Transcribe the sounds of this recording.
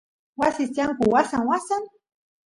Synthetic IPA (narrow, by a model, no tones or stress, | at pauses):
wasisjaŋkʊwasaŋwasan